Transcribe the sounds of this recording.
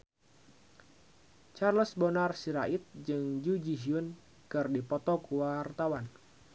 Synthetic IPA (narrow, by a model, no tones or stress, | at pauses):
t͡ʃarləsbɔnarsiɾaʔit̪̚d͡ʒɨŋd͡ʒud͡ʒiɦiun | kɨrdipɔt̪ɔkuwart̪awan